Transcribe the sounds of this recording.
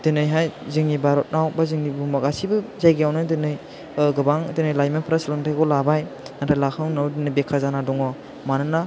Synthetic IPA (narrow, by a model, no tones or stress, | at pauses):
d̥ɯnɯjɦajzɯŋnibaɾɔt̚nawbazɯŋnibumakasibɯzajɡejawnɯdɯnɯj | ɡɯbaŋdɯnɯjlajmanpʰɾaslɯŋtʰajɡɔlabajnatʰalakʰɯwnawdɯnɯbekʰazanadɔŋɔ | manɯna